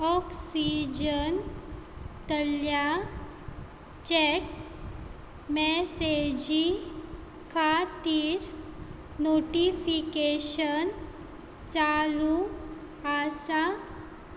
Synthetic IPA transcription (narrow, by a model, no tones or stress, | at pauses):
ɔksid͡ʑən | t̪əlja | t͡ɕɛʈ̚ | mɛsed͡ʑi | kʰat̪iːɾ | noʈifikeɕən | t͡salu | asa